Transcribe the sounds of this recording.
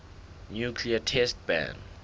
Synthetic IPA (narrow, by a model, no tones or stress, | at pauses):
njukʰliatʰɛst̚bã̰nd